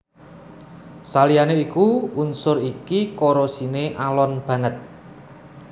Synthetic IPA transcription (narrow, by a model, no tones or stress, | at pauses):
salijaneikuunsʊɾikikoɾosineʔalɔnb̥ä̤ŋət̪̚